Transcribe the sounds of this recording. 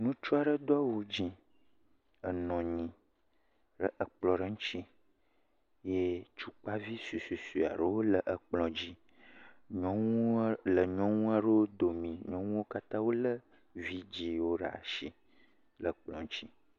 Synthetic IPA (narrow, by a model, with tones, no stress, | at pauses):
nũ˦t͡ʃu˦a˨ɖə˦d̪o˦a˦wu˦d͡ʒĩ˨ | ə˨nɔ̃˨ɲĩ˨ | ɖə̰˨ʔə˨k͡plɔ˨ɖə˦ŋũ˦t͡ɕi˦ | je˦t͡ʃu˦k͡pa˦vi˦su˨su˨su˨a̰˨ɖə˦wo˦lə˨ʔə˨k͡plɔ̃˨d͡ʑi˦ | ɲɔ̃˦ŋũ˦lə˨ɲɔ̃˦ŋũ˦a˨ɖə˦wo˦d̪o˨mĩ˨ɲɔ̃˦ŋũ˦wo˦ka˦t̪ã˦wo˦lə˦ | vi˦d͡ʑi˨wo˦ɖə˨a̰˨ʃi˦ | lə˨k͡plɔ̃˨ŋ˦t͡ʃt͡ɕi˦